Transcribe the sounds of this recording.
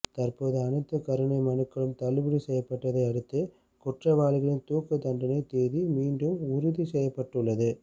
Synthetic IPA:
t̪ɐrpoːðɯɐnɯt̪ːɐkɐɾɯɳɐɪmɐnɯkːɐɭɯmt̪ɐɭɯbɯɽisɛjːɐpːɐʈːɐðɐɪɐɽɯt̪ːɯ | kʊʈrɐʋaːlɪɣɐɭɪnt̪uːkːɯt̪ɐɳɖɐnɐɪt̪ːeːðimiːɳɖɯmʊɾʊðisɛjːɐpːɐʈːɯɭːɐðɯ

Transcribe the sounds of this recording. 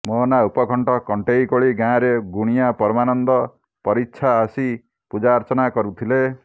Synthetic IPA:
mɔnaupɔkʰɔɳʈɔkɔɳʈejkoɭiɡãɾeɡuɽ̃ijapɔɾmanɔnd̪ɔ | pɔɾitːʃʰaːsi | pud͡ʒaɾt͡ʃɔnakɔɾut̪ʰile

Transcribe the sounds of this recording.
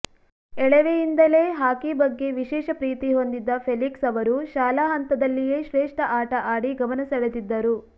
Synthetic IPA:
ɛɭɛʋejind̪ɐle̞ːɦaːkibɐɡːe̞ʋiʃɛːʃɐpɾiːt̪iɦo̞nd̪id̪ːɐpʰeliksɐʋɐɾuʃaːlaːɦɐnt̪ɐd̪ɐlːije̞ːʃɾeːʂʈɐʔaːʈɐʔaːɽiɡɐmɐnɐsɐɭed̪id̪ːɐɾu

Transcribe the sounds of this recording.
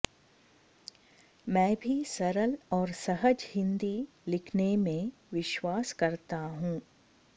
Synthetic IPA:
mɛ̃ːbʱisɐɾəlɔːɾsɐɦəd͡ʒhɪ̃nd̪i | lɪkʰnemẽ | ʋɪʃwaːskɐɾt̪aɦũː

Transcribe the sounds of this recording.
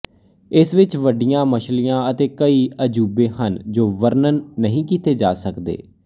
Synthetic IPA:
ɪsʋɪt͡ʃʋəɖɪjãːməʃlijãːət̪eːkəiːəd͡ʒuːbẽːhənd͡ʒoːʋəɾnənːəɦĩːkiːt̪eːd͡ʒaːsəkd̪ḛː

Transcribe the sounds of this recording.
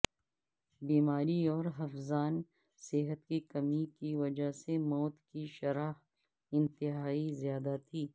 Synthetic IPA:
biːmaːɾiɔːɾɦɐfzaːn | sɪɦət̪kikɐmikiʋɐd͡ʒasemɔːt̪kiʃɐɾaːx | ɪ̃nt̪ɪɦaːizjaːd̪at̪ʰiː

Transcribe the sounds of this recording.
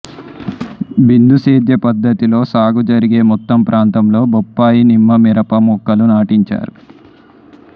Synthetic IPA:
bind̪useːd̪jɐpɐd̪ːɐt̪ilo̞ːsaːɡud͡ʒɐɾiɡe̞ːmɔt̪ːɐmpɾʔaːnt̪ɐmlo̞ːbɔpːaːjinimːɐmiɾɐpɐmɔkːɐlunaːʈiɲt͡ʃa̰ːɾu

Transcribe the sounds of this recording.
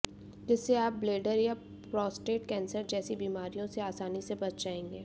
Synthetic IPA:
d͡ʒɪsːeaːp̚bleːɖəɾja | pɾɔːsʈɾeːʈkɛ̃ːnsəɾd͡ʒɛːsibiːmaːɾijõseaːsaːnisebɐt͡ʃʰd͡ʒaːẽːŋɡeː

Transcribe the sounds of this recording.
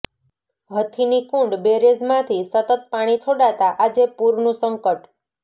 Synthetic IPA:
ɦət̪ʰinikũɳɖbeɾezmãt̪ʰisət̪ət̪̚paɽ̃it͡ʃʰoɽat̪aʔad͡ʒepuɾnũsəŋkəʈ

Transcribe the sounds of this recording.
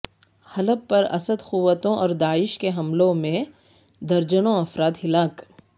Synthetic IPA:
hɐləbpɐɾɐ̰səd̪xuʋːət̪õʔɔːɾd̪aːɪʃkeɦɐmlõmẽ | d̪ɐɾd͡ʒənõɐfɾaːd̪hɪlaːk

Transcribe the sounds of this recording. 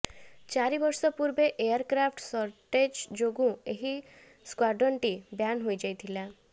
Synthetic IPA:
t͡ʃaɾibɔɾsɔpuɾbeʔejaɾkɾapʰʈsɔɾʈed͡ʒd͡ʒoɡũeɦi | skwaɖɔɳʈibjanɦojd͡ʒajt̪ʰila

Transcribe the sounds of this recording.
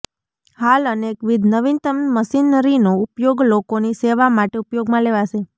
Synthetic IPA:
haləneːkʋɪd̪ʱnəʋint̪əmməʃinəɾinoupjoɡlokoniseʋamaʈeupjoɡmãleʋaʃe

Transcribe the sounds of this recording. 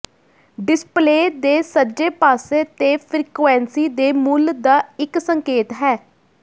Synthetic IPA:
ɖɪspleːd̪eːsəd͡ʒeːpaːseːt̪eːpʰɾiːkɛːnsiːd̪eːmuːld̪aːɪksəŋkeːt̪ɦɛː

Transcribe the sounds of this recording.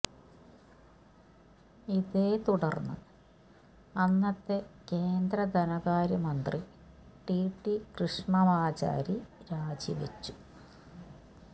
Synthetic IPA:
iðeːt̪uɽɐrnːɨ̰ | ɐnːɐt̪ːeke̞ːnd̪ɾɐd̪ʱɐnɐɣaːɾɐmɐnd̪ri | ʈiːʈːikrɨʂɳɐʋaːt͡ɕa̰ːɾiɾaːd͡ʑiʋḛt͡ɕːu̥

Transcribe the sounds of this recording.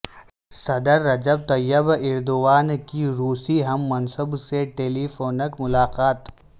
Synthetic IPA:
sɐd̪əɾːɐd͡ʒəb̚t̪ɐjːəbɪɾd̪ʊʋaːnkiɾuːsiɦɐmːɐnsəbseʈeːliːfoːnəkmʊlaːqaːt̪

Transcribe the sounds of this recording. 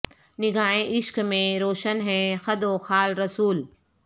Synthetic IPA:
nɪɡʱaːɦẽʔɪʃkmẽɾoːʃənɦɛ̃xɐd̪oːxaːlɾɐsuːl

